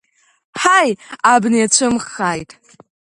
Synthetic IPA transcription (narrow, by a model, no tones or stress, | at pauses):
ħajabniat͡ɕʷʰɨmχajtʼ